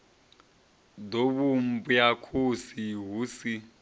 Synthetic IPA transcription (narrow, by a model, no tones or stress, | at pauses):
doβumbujakʰusiɦuːsi